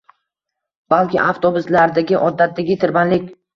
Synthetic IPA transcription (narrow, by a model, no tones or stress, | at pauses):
b̥alkʲɪ̰ʔaft̪ʰobʊslaɾd̪aɡʲɪʔɒd̪ːat̪̚d̪aɡʲɪt̪ʰɪɾbanlɪkʲ